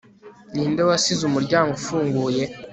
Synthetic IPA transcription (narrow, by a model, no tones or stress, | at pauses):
niːndewasizumuɾɟaːŋɡofuːŋɡuːje̞